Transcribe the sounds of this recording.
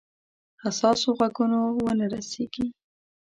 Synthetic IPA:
asɑsoɣaɡunowənaɾaseɡ̥i

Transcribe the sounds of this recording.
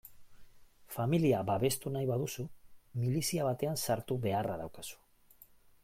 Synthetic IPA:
familiabaβe̞st̪unajβaðusumilisiaβ̞at̪e̞ansaɾt̪uβe̞araðawkasu̥

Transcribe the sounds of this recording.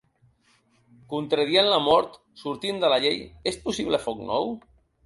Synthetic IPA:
kunt̪ɾeðienlamɔɾt̪ | suɾt̪ind̪əlaʎejespusiβlefɔknɔ̰w

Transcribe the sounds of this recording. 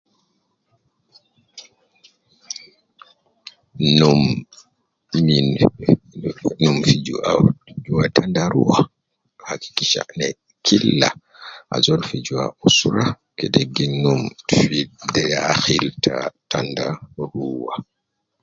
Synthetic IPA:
num | min | numfid͡ʒuad͡ʒuwatʰandaɾṵwa | haki̥kiʃa̰ʔnɛ | kʰilːa | ʔa̰zɔlfid͡ʒuwa̰usɾa | kɛdeɡːinumfidɛjaxiltʰatandaɾuwa

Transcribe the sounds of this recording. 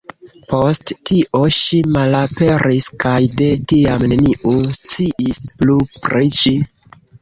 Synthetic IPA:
po̞sttiʔoʃimalape̞ɾiskajde̞tiamne̞niʔost͡siʔisplupɾeʃi

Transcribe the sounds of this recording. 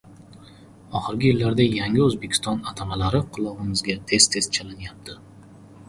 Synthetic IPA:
ɒχɨɾɡʲɪjɪlːaɾd̪ajaŋʲɪɵzbekʲɪ̥st̪ɒnat̪ʰamalaɾɪqʰʊlˠɒʁɨmɪzɡʲat̪ʰe̞st̪ʰe̞st̪̚t͡ʃʰalɪnjap̚t̪ʰɪ

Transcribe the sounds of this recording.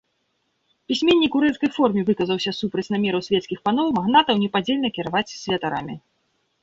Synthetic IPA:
pʲisʲmʲenʲːikuɾɛt̪skɐjfɔrmʲivɨkɐzɐwsʲɐsupɾɐt͡sʲnamʲɛɾɐwsʲvʲɛt̪skʲixpanɔwmaɣnat̪ɐwnʲɛpad͡zʲelʲnɐkʲɛɾavatt͡sʲsʲvʲɛt̪aɾa̰mʲi

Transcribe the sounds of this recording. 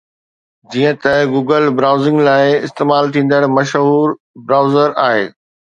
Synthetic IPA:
d͡ʑiːə̃t̪ɐɡuːɡəlbɾaːʊzɪ̃ŋɡlaːɪɪst̪eːmaːlt̪ʰĩːn̆d̪əɽmɐʃɦuːɾ | bɾaːʊzəɾa̰ːɦḛː

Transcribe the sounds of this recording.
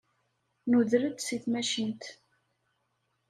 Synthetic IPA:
nuðɾəd̪siθmæʃint̪

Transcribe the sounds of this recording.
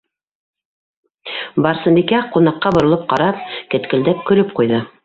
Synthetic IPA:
bɑɾsɤ̆mbikæqunɑqːɑbŏɾɤ̆lˠɤp̚qɑɾɑp̚kɘ̆t̪kɘ̆ld̪æp̚kɵ̆lɵp̚qujðɤ

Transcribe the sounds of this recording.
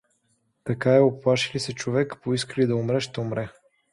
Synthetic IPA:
t̪ɐkaɛoplˠaʃilisɛt͡ʃovɛkpoiskəlid̪ɐʊmɾɛʃt̪ɛʊmɾɛ

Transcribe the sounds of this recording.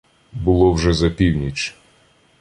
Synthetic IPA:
bʊlˠɔwʒɛzɐpʲiwnʲit͡ʃ

